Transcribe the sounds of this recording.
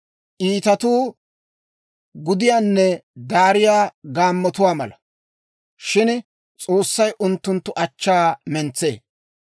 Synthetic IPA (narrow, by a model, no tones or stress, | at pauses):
ʔiːt̪ɐt̪uː | ɡʊd̪ɪjaːnːɛd̪aːɾɪjaːɡaːmːɔt̪ʊwaːmɐ̰lɐ | ʃɪn | t͡sʼo̞ːsːɐjʔʊnt̪ːʊnt̪ːʊʔɐt͡ʃːaːmɛnt͡sːe̞̰ː